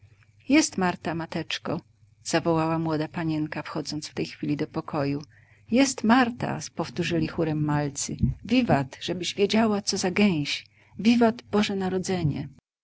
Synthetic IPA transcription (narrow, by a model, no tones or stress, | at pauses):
jɛst̪maɾt̪amat̪ɛt͡ʂkɔ | z̥avɔwawamwɔd̪apaɲɛŋkafxɔd̪zɔnt̪ft̪ɛjxfʲilʲid̪ɔpɔkʰɔju | jɛst̪maɾt̪a̰pɔft̪uʐɘlʲixuɾɛmːalt̪sɘvʲivat̪ʐ̥ɛbɘʑvʲjed͡ʑawat̪sɔzaɡɛj̃ɕ | vʲivat̪bɔʐɛnaɾɔd̪zɛɲɛ̰